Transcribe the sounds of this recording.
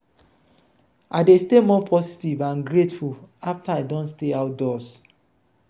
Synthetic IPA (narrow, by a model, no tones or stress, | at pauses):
aɪdestemɔpʰɔsi̥tivãnɡɹetfulaftaadɔ̃nsteaʊt̚dɔs